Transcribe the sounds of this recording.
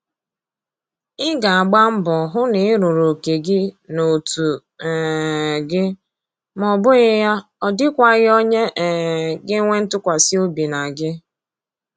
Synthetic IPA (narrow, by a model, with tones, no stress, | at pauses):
ɪ˦ɡa˨a˨ɡ͡ba˦m̩˦bɔ˨ɦʊ˦nɪ˨˦ɾu˨ɾo˨ke˨ɡɪ˦no˨tu˨ | ɡɪ˦ | mɔ˨bʊ˦ɣɪ˦ja˦ | ɔ˨dɪ˦kʷa˦ɣɪ˦ɔ˦ɲe˦ʔɡɪ˦ŋʷe˦n̩˦tʊ˦kʷa˨si˦o˦bi˨na˨ɡɪ˦